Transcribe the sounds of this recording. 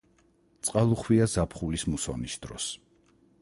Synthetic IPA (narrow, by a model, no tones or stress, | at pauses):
t̪sʼqʼalˠuχwiazapʰχulismusɔ̰nisd̪̥ɾɔ̰s